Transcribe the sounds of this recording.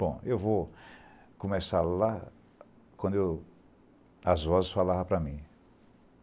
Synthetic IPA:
b̥õewvo | kõmesaɾla | kwɐ̃nd̪ʊew | ɐzvɔzɪsfalavɐ̃pɾɐmĩ

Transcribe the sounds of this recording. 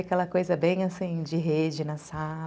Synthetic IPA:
akɛlɐkojzɐbẽj̃asĩd͡ʒɪɦed͡ʒɪnɐsa

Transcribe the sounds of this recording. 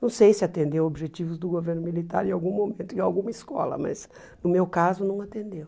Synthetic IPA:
nɐ̃w̃sejsɪat̪ẽnd̪ewobiʒet͡ʃivʊzd̪ʊɡoveɾnʊmilit̪a̰ɾẽawɡũmomẽnt̪ʊɪ̃awɡũmɐiskɔ̰lɐ̰mɐ̰z | nʊmewkazʊnɐ̃w̃at̪ẽnd̪ew

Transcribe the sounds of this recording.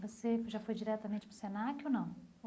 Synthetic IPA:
voseʒafojd͡ʒiɾɛt̪ɐmẽnt͡ʃɪpɾʊ̥senakʲonɐ̃w̃

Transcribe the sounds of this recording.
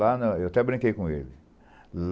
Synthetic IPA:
anɐewat̪ɛbɾĩŋkejkõelɪ | l

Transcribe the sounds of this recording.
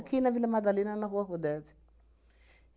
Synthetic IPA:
kʰinavilamad̪alinanaɦuaɦud̪ɛd͡zi̥

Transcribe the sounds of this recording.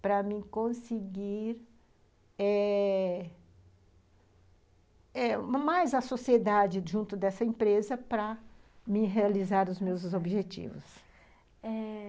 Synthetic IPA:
pɾɐmɪkõsɪɡiɾ | ɛ | ɛmajzɐsosied̪ad͡ʒɪʒũnt̪ʊd̪ɛsɐẽpɾezɐpɾɐmɪɦealizaɾʊzmewzobiʒet͡ʃḭvʊ̰s | ɛ

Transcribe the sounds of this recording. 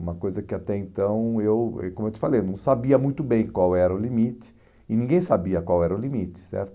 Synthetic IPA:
ũmɐkojzɐkɪat̪ɛẽt̪ɐ̃w̃ewɛ̰kõmʊewt͡ʃ̪ɪ̥falejnɐ̃w̃sabiɐmũj̃t̪ʊbẽj̃kwawɛɾɐʊlimit͡ʃɪ̥ | ɪnĩɡẽj̃sabiɐkwawɛɾɐʊlimit͡ʃɪ̥sɛ̰ɾt̪ʊ

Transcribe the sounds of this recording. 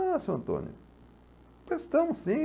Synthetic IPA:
asewɐ̃nt̪õ̰njʊ | pezst̪ɐ̃mʊssĩ

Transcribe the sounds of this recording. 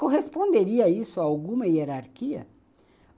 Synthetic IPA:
koɦespõnd̪eɾiɐisʊaawɡũmɐieɾaɾkiɐ̰

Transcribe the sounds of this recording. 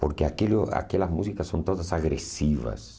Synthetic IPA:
poɾkeakeloa̰kelɐzmusikasːõnt̪oðɐsaɣɾesiβɐ̰s

